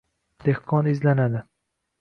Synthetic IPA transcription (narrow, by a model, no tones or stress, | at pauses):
d̪̥ehqʰɒnɪzlanad̪ɪ